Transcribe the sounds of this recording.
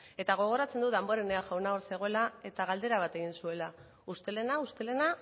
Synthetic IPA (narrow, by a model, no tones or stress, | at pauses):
e̞t̪aɣ̞o̞ɣ̞o̞ɾat͡se̞nd̪uðamboɾene̞aʝawnaoɾse̞ɣ̞o̞e̞lae̞t̪aɣald̪e̞ɾaβ̞at̪e̞ɣ̞insue̞la | ust̪e̞le̞naust̪e̞le̞na